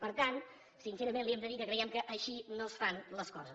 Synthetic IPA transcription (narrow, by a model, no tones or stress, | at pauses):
pəɾt̪ant̪ | sinsɛɾəmenliɛmd̪əðikəkɾəiɛmkəʔːʃinosfanləskɔzəs